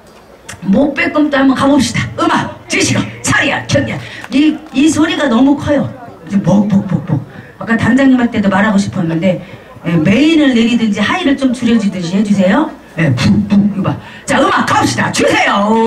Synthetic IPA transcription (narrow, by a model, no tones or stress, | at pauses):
mok̚p͈e̞k͈ɯmt͈oɦambʌkabop̚ɕ͈i̥d̥aɯmat͡ɕɯɕʰiɡʌt͡ɕʰaɾia̰kʰjʌŋɲaiisʰoɾiɡanʌmukʰajod͡ʑomok̚pok̚pok̚p͈ok̚ | ak͈atand͡ʑaŋɲimɦaɭt͈e̞domaɾɦaɡoɕʰi̥pʰʌnːɯnde̞ | jeme̞inɯɭne̞ɾidɯnd͡ʑihaiɾɯɭt͡ɕ͈omt͡ɕuɾjʌd͡ʑidɯɕʰihed͡ʑus̬ʰe̞jo | jepupuɯma | t͡ɕaɯmakabop̚ɕ͈idat͡ɕusʰe̞jo